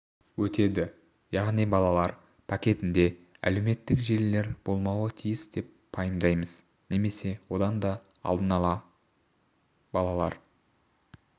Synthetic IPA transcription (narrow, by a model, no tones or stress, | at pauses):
wɵt̪e̞d̪ɪ | jɑʁnijbɑlˠɑlˠɑɾ | pʰɑkʲe̞t̪ɪnd̪e̞ | æ̰le̞wme̞t̪ːɪkʒe̞lle̞ɾb̥o̞lˠmɑwət̪ʰijɪsd̪e̞p̚ | pʰɑjəmd̪ɑjməz̥ | ne̞me̞se̞wo̞d̪ɑnd̪ɑ | ɑ̰lˠd̪ənɑlˠɑ | bɑlˠɑlˠɑ̰ɾ